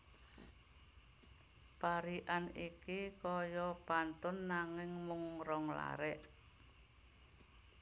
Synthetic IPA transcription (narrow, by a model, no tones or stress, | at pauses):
paɾiʔanikikɔjɔpant̪ʊnːaŋɪŋmʊŋɾɔŋla̰ɾɛʔ